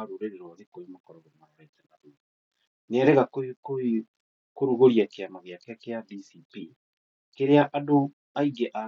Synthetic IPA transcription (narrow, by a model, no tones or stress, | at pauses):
aɾuɾeɾeɾwaðekoimakɔɾɔɣemaɛɾɛtɛnaɾu | neɛɾɛɣakoko | koɾuɣoɾiakeamaɣeakeakeadisipi | keɾeaʔado | aiɡɛʔa